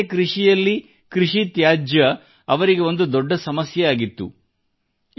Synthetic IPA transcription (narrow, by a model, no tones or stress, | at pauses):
kɾiʂijɐlːi | kɾiʂit̪jaːd͡ʒjɐ | ɐʋɐɾiɡe̞o̞nd̪ud̪ɔɖːɐsɐmɐsjɐjaːɡit̪ːṵ